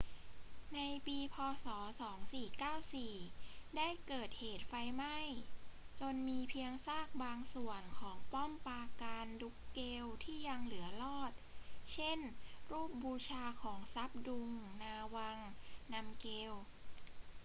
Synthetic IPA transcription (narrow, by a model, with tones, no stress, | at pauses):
na˧jpiː˧pʰɔː˧sɔː˩˦sɔː˩˦ŋsiː˨˩kaː˥˩wsiː˨˩daː˥˩jkɤː˨˩t̪̚heː˨˩t̪̚fa˧jma˥˩j | t͡ɕo˧nmiː˧pʰi˧əŋsaː˥˩k̚baː˧ŋsu˨˩ənkʰɔː˩˦ŋpɔ˥˩mpaː˧kaː˧ndu˦˥kːeː˧wt̪ʰiː˥˩ja˧ŋlɯ˩˦ɐlɔː˥˩t̪̚t͡ɕʰe˥˩nɾuː˥˩p̚buː˧t͡ɕʰaː˧kʰɔː˩˦ŋsa˦˥p̚du˧ŋnaː˧wa˧ŋna˧mkeː˧w